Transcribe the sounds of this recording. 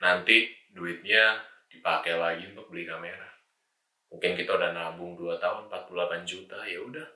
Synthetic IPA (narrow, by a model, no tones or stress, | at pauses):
nant̪i | duɪt̪̚ɲad̥ipakɛlaɡiunp̪ək̚bəlikameɾa | muŋkɪnkit̪audahnabʊŋduat̪aʊnmpat̪̚pullapand͡ʒut̪ajaudah